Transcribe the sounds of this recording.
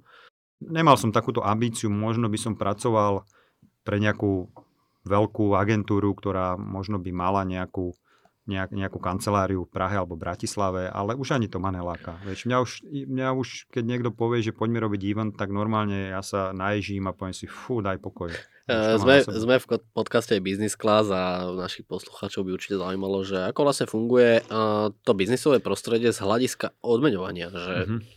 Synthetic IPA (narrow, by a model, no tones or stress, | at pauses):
ɲɛmalsɔmt̪akuːt̪ɔʔambiːt͡siumɔʒnɔbisɔmpɾʔat͡sɔʋal | pɾɛɲɛakuː | ʋɛlkuːaɡɛnt̪uːɾukt̪ɔɾaːmɔʒnɔbimalaɲɛakuː | ɲɛaɲɛakuːkant͡sɛlaːɾiufpɾaɦɛalɛbɔbɾacislaʋɛa̰lɛuʒaɲit̪ɔmanɛlaːkaʋɛt͡ʃmɲauʃimɲauʃkɛɟɲɪɛɡd̪ɔpɔʋɪɛʒɛpɔɟmɛɾɔbiɟiʋɛnt̪t̪aɡnɔɾmaːlɲɛjaːsanajɛʒiːmapɔʋɛmsifud̪ajpɔkɔj | zmɛszmɛfkpɔt̪kascɛabiznisklazanaʃixpɔslu̥xaːt͡ʃɔʊbiuɾt͡ʃi̥cɛzaujmalɔʒɛakɔʋlasɲɛfuŋɡujɛt̪ɔbiznisɔʋɛpɾɔst̪ɾɛɟɪɛzɦlaɟiskaɔd̪mɛɲɔʋa̰ɲɪaʒɛ